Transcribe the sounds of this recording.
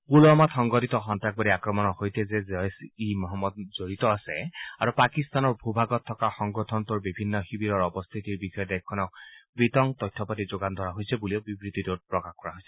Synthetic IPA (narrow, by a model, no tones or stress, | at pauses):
kulɔmatxɔŋɡɔtitɔxɔntak̚badiakɹɔmɔnɔhojtɛzɛzɔsimɔɦɔmːɔd̚z̥oɹitɔasɛ̰aɹupakist̪anɔɹbʱubʱaɡɔt̪ʰːɔkaxɔŋɡɔtʰɔnt̪uɹbibʱinːɔxibiɾɔɹɔbɔst̪ʰitiɹbixɔjɔdɛkʰːɔnɔk̚pɹitɔŋt̪ɔjtʰːɔpatizoɡand̪ʱɔɹaɦojsɛbuliobibɹit̪itot̚pɹɔkaxkɔɹaɦojsɛ